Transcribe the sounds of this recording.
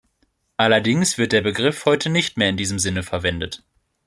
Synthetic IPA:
ʔalɐdɪŋsv̥ɪɐt̚d̥eːɐbəɡʁɪfhɔʏtʰənɪçtmeːɐɪndiːzəmzɪnəfɛɐvɛndət

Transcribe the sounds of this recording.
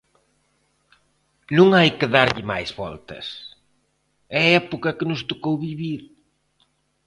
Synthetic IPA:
nũŋajkɪðaɾʎɪma̰jzβɔ̰lt̪ɐ̰s | ɛɛpokɐkɪnʊst̪okowβiβiɾ

